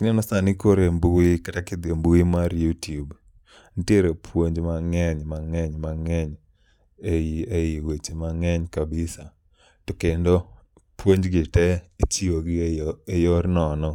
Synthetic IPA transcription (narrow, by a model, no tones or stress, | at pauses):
kɪnenɔsanɪkoɾembuikatakɪd̪embuimaɾjutub | ntjeɾopʰwoɲd͡ʒmaŋɛɲmaŋɛɲmaŋɛɲ | eejiwet͡ʃemaŋɛɲkabɪsa | tɔkendo | pwoɲd͡ʒɡɪtɛet͡ʃioɡejoɾnɔnɔ